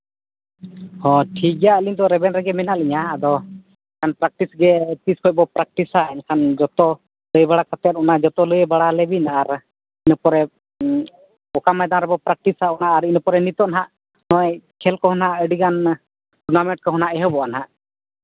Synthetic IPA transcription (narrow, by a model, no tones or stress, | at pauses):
hɔ̃ʈʰiɡaəliɲt̪ɔɾɛbɛnɾɛɡɛmɛnaʔliɲaːd̪ɔ | ɛkʰanpɾak̚ʈisɡɛt̪iskʰɔc̚ˀbɔpɾak̚ʈisaɛnakʰand͡ʒɔt̪ɔ | ləjbaɽakat̪ɛt̪̚ɔnaʔd͡ʒɔt̪ɔləjɛbaɽalɛbinaɾ | inupɔɾɛ | ɔkamajd̪aɾɛbɔpɾak̚ʈisaɔnaʔːɾinupɔɾɛnit̪ɔʔnɦaʔ | nɔɛkʰɛlkɔɦɔnaʔəɖiɡan | ʈɔnamɛ̃ʈ̚kɔɦɔnaʔɛɦɔbɔanɦaʔ